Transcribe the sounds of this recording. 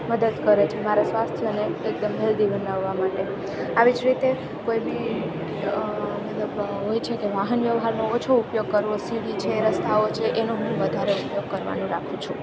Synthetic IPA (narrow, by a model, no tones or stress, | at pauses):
məd̪əd̪kəɾet͡ʃʰemaɾasʋast̪ʰjəneːk̚d̪əmɦeld̪iʋənaʋːamaʈe | aʋid͡ʒɾit̪e | koibi | mət̪ləb | ɦojt͡ʃʰekeʋaɦənʋjəʋɦaɾnoːt͡ʃʰoupjoɡ̚kəɾʋosiɽit͡ʃʰeɾəst̪ʰaot͡ʃʰeʔenoɦũʋəd̪ʱaɾeupjoɡ̚kəɾʋa̰nũɾa̰kʰũt͡ʃʰṵ̃